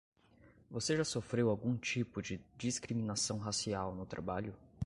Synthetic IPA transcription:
voseʒasofɾewawɡũt͡ʃipʊd͡ʒɪd͡ʒiskɾiminasɐ̃w̃ɦasiawnʊt̪ɾa̰baʎʊ

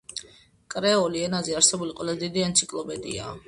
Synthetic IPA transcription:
kʼɾɛɔliɛnazɛaɾsɛbuliqʼwɛlˠazd̪id̪iant̪sʰikʼlˠɔpʼɛd̪ḭa̰

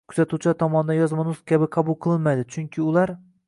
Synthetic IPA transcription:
kʰʊ̥z̥at̪ʰut͡ʃʰat̪ʰɒmɒnɪd̪anjɒzmanʊskʲʰabɪqʰɑbʊlˠqʰɨlˠɪnmajd̪ɪt͡ʃʰʊŋkʲʰɪʊlˠaɾ

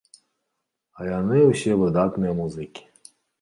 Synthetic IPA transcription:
ajanɨuɕʲivɨd̪at̪nɨjɛmuzɨkʲi̥

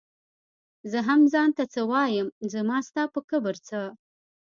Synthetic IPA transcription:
zɨɦamzaːntʰɐt͡sʰɐwaːjɪmzɨmaːstʰaːpʰɨkʰɨbɨrt͡sʰɨ

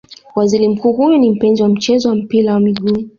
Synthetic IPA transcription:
waziɾim̩kuːɦujɔnim̩pɛnziwam̩t͡ʃɛzɔwam̩piɾawamiɠu

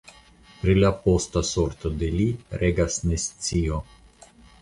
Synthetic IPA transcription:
pɾilʲapost̪asoɾt̪ɔd̪elʲiɾʔɛɡasnɛst̪t͡sijɔ

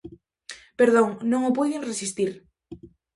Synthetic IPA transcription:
peɾðoŋnõŋopweðeŋresist̪iɾ

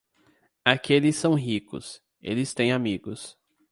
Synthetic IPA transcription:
akelɪsːɐ̃w̃ɦikʊ̰s | ḛlɪst̪ẽj̃amiɡʊs

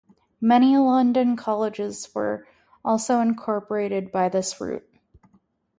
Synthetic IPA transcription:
mɛɾ̃ilʌ̃ndɨ̃nkʰɑlˠəd͡ʒɪzwə̰˞ | ʔɔlˠsoʊɨ̃nkʰɔɹpə˞eɪɾɨd̚baɪðɪsɹʉ̰t̚

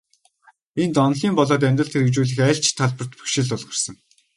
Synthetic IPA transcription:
ent̪ɔnɮiːmpɔɮɔːt̪̬æmʲt̪rə̆ɬt̪ʰxeɾɘ̆t͡ɕuːɮɘ̆xæːɬt͡ɕt̪ʰːaɮpə̆rt̪pu̥xʃĭɮʊɮʁə̆rsə̆ŋ

